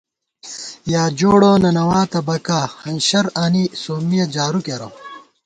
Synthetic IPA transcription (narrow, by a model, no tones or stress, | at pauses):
jaːd͡ʑoːɽoːnɐnɐwaːt̪ɐbɐkahɐnɕɐɾɐnisoːmijɐd͡ʑaːɾukeɾo̰